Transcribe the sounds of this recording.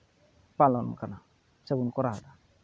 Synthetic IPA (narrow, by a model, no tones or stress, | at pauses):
palɔnm̰kana | seɡunkɔɾada